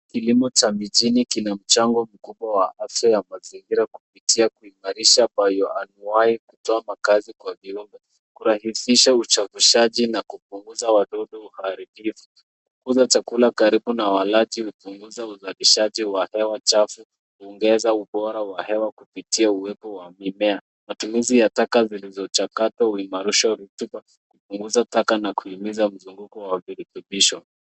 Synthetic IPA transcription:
kilimɔt͡ʃamiʄinikinam̩t͡ʃaŋɡɔm̩kuɓwawaʔafjajamaziŋɡiɾaku̥pitiakuimaɾiʃaːmbajɔanuaikutɔamakazikwaviumbɛ | kuɾahisiʃaut͡ʃavuʃaʄinakupuŋɡuzawaɗɔɗɔuhaɾibifu̥ | kukuzat͡ʃakulakaɾiɓunawalaʄiupuŋɡuzauzaliʃaʄiwahɛwat͡ʃafu | kuɔŋɡɛzauɓɔɾawahɛwakupitiauwɛpɔwamimɛa | matumuzijatakazilizɔt͡ʃakatwauimaɾiʃaɾutuɓa | kupuŋɡuzatakanakuhimizam̩zuŋɡukɔwaviɾituɓiʃɔ

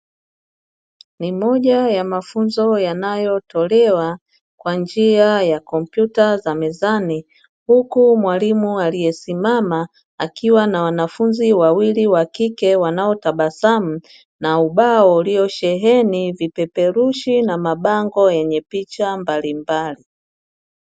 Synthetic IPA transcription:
nimɔʄajamafunzɔjanajɔtɔlɛwa | kwand͡ʒiajakɔm̩pjutazamɛzani | hukumwalimualijɛsimamaː | kiwanawanafunziwawiliwakikɛwanaɔtaɓasam̩ | nauɓaɔliɔʃɛɦɛnivipɛpɛɾuʃinamaɓaŋɡɔjɛɲɛpit͡ʃambalimbali

